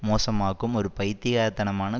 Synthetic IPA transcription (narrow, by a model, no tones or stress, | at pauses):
moːsɐmaːɣɯmɔɾɯpɐjt̪ːɪjaːɾt̪ɐnɐmaːnɐ